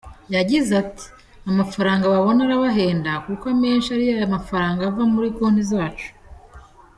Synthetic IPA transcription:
jaɟizati̥ | amafaɾaːŋɡaβaβo̞naɾaβaɦe̞ːndakukwame̞ːnʃiaɾijajamafaɾaːŋɡavamuɾikoːn̥izaːt͡ʃu̥

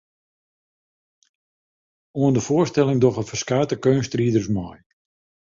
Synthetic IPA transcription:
oəndəfʊərstɛlɪŋdɔɣəfərskaːtəkønstriədərsmɔj

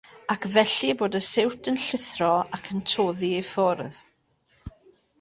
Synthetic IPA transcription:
akʰvɛɬiboːdəsɪwtʰənɬɪθrɔakʰəntʰoːðiejfɔrð

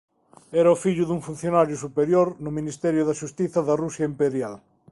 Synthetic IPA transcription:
ɛɾɐʊfiʎʊðuŋfun̟θjonaɾjʊsupeɾjoɾnʊminist̪ɛɾjʊðɐʃust̪iθɐðɐrusjɐimpeɾjal

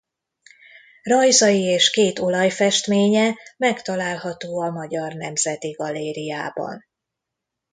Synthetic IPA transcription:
rɒjzɒjieːʃkeːt̪o̞lɒjfɛʃt̪meːɲɛmɛkt̪ɒlaːlɦɒt̪oːɒmɒɟɒrnɛmzɛt̪iɡɒlːeːɾijaːbɒ̰n

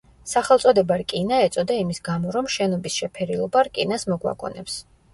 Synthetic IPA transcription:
saχɛlˠt̪sʼɔd̪ɛbaɾkʼinaɛt̪sʼɔd̪aimisɡamɔɾɔmʃɛnɔbisʃɛpʰɛɾilˠɔbaɾkʼinasmɔɡwa̰kʼɔ̰nɛps

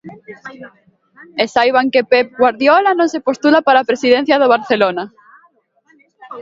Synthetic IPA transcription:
esajβaŋkepep̚ɣwaɾðjolanõnsepost̪ulapaɾaːpɾesiðen̟θjaðoβ̞aɾθelona

